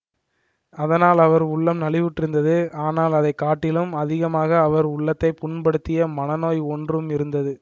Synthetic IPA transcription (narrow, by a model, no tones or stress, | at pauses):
ɐðɐnaːlɐʋɐɾʊɭːɐmnɐɭɪʋʊʈːɪɾɯnd̪ɐðɯaːnaːlɐðɐɪkːaːʈːɪlɯmɐðɪɣɐmaːɣɐːʋɐɾʊɭːɐt̪ːɐɪpʊɳpɐɽɯt̪ːɪjɐmɐnɐnoːjɔndrɯmɪɾɯnd̪ɐðɯ